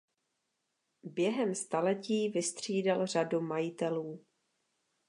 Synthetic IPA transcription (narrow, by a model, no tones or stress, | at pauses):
bjɛɦɛmst̪alɛciːvɪst̪r̝̥iːdalr̝adumajɪt̪ɛluː